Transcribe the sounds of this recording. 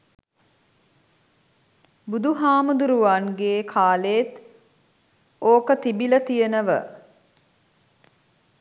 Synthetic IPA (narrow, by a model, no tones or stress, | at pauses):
bud̪uɦaːmud̪uɾuʋanɡeːkʰaːleːt̪ | oːkət̪ibilət̪ijənəʋə̰